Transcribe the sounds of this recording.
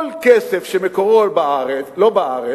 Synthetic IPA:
lkɛsefʃemekoʁolbaaʁet͡slobaaʁe

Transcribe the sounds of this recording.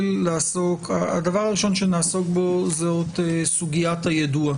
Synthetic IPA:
lːaːsokaad̪avaʁaʁiʃo̞nʃenaːso̞k̚bo̞zeot̪esuɡijathajad̪ua

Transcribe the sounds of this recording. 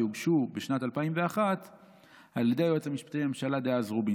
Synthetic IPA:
juɡʃubeʃnat̪alpaimveaχat̪ | haljed̪ejoet͡samiʃpḁt̪ejmemʃalad̪ejazʁubi

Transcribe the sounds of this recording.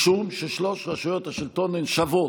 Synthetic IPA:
ʃunʃeʃloʃʁaʃujot̪haʃilt̪onenʃavo

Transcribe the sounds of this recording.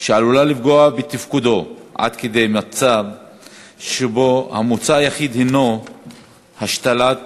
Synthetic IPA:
ʃealulalifɡoabet̪ifkud̪o̞ʔa̰d̪ked̪ejmat͡sab | ʃebo̞hamut͡sajaχid̪heno | haʃt̪ala

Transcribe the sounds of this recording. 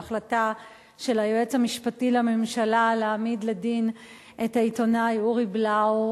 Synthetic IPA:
χlata | ʃe̞lajoet͡shamiʃpatilame̞mʃalaleamidledin | ʔetaitonajuʁiblao

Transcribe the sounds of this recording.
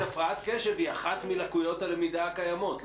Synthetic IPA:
afʁaat̪keʃeviaχat̪milakujo̞talemid̪aakajamo̞t̪l

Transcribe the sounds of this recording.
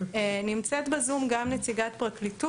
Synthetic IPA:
nimt͡set̪bezumɡamnet͡siɡatpʁaklitu

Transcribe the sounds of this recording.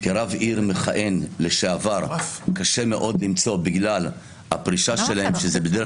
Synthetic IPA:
keʁaviʁmeχaʔe̞nleʃeavaʁkaʃe̞me̞ʔo̞dlimt͡so̞biɡlal | a̰pʁiʃaʃe̞lahemʃezebed̪e

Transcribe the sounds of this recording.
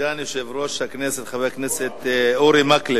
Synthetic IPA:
aniʃevɾoʃhakneset̪χaveakneset̪oɾimakle

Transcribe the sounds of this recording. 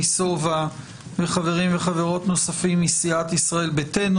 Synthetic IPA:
iso̞va | veχaveʁimveχave̞ʁo̞tno̞safimisiat̪isʁae̞lbeten

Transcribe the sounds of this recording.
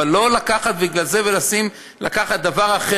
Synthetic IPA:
alːo̞lakaχat̪̚biɡlalzevelasim | la̰kaχat̪̚d̪avaʁaχe

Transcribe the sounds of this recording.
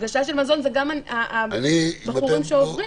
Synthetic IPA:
ɡaʃaʃelmazo̞nzeɡamanaʔaibaχuʁimʃeoχʁi

